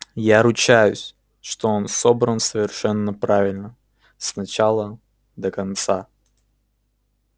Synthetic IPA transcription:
jaɾʊt͡ɕæjʊsʲ | ʂt̪oonso̞bɾənsəvʲɪrʂɛnːəpɾavʲɪlʲnə | snɐt͡ɕalˠə | d̪əkɐnt̪sa

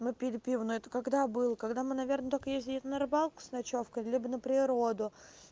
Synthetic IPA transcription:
mɨpʲɪɾʲɪpʲivənʊɛt̪əkɐɡd̪abɨlˠəkɐɡd̪amɨnɐvʲe̞rnət̪o̞lʲkəjezʲɪlʲɛt̪nɐɾɨbalˠkʊ̥snɐt͡ɕo̞fkəlʲibənəpɾʲɪɾo̞d̪ʊ

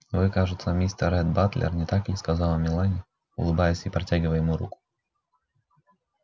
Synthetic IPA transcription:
vɨkaʐɨt̪səmʲisʲt̪əɾɛd̪̚bat̪lʲʔɪ̰rnʲɪt̪akʲɪskɐzalˠɐmʲɪlˠanʲɪ | ʊ̰lˠɨbajɪsʲipɾɐtʲaɡʲɪvəjɪmuɾṵkʊ̥

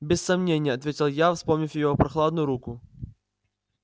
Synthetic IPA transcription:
bʲɪsːɐmnʲenʲɪjəɐt̪vʲetʲɪlˠjafspomnʲifʲjɪjopɾɐxlˠad̪nʊjʊɾukʊ

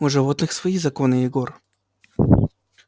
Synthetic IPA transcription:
ʊʐɨvot̪nɨxsvɐizɐkonɨjɪɡor

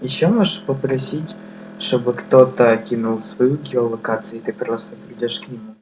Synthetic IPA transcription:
jɪɕːomoʐpəpɾɐsʲitʲ | ʂt̪obɨkt̪ot̪əkʲinulˠsvɐjuɡʲɪolˠɐkat̪sɨjʊɪt̪ɨpɾost̪əpɾʲɪdʲoʂknʲɪmu

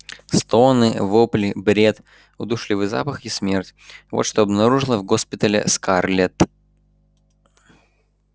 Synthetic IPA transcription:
st̪onɨvoplʲɪbɾʲet̪ | ʊd̪uʂlʲɪvɨza̰pəxismʲertʲvot̪ʂt̪oɐbnɐɾuʐɨlˠəvɡospʲɪt̪əlʲɪ̰skarlʲet̪

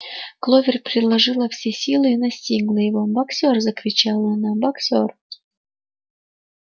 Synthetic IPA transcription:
klˠovʲɪrʲpɾʲɪd̪lˠɐʐɨlˠəfsʲesʲilˠɨinɐsʲtʲiɡlˠəjɪvobɐksʲorzəkɾʲɪt͡ɕalˠəɐnabɐksʲor

